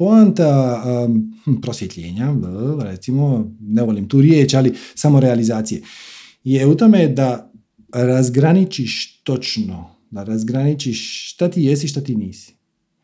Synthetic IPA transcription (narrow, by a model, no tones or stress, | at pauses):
poant̪a | m̩pɾosjet̪ʎḛːɲaɾet̪simoneʋolimt̪uːɾjeːt͡ʃalisamo̞ɾealizaːt̪sije̞ | jeut̪ome̞d̪a | ɾazɡɾanit͡ʃiʃt̪o̞t͡ʃno | d̪aɾazɡɾanit͡ʃiʃʃt̪at̪iːjesiʃ̬t̪at̪iːniːsi̥